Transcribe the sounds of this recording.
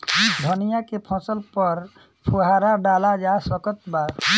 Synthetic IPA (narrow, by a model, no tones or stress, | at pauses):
d̪ʱɔnijakepʰɔ̃t͡ʃəlpɔɾ | pʰuɦaɾaɖalad͡ʒasɔkət̪ba